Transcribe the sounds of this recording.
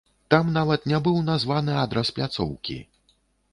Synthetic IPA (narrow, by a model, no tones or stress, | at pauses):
t̪amnavɐt̪nʲabɨwnazvanɨad̪ɾɐsplʲat̪sɔ̰wkʲḭ